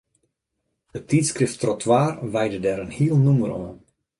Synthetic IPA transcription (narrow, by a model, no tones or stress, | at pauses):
dətitskrɪftrɔtʰwaːrʋɛjdədɛɾənhiːəlˠnuməɾɔn